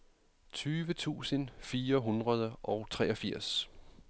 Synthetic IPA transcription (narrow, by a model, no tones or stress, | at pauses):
t͡sʰyːʋət͡sʰṵːsənfiːɐɦunʁɐð̞ˠəʔɒ̽ʊt͡sʰʁɛːʔɒ̽fiɐ̰s